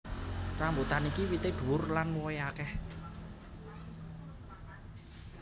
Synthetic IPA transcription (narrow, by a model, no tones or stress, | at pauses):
rambut̪anikiwit̪ed̪̥ṳʊrlanwɔjakɛh